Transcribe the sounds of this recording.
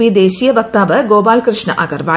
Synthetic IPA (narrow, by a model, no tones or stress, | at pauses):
id̪eːɕijɐʋɐk̚t̪aːʋɐɡoːbaːlkɾɨʂɳɐ̰ʔɐɡɐrʋaː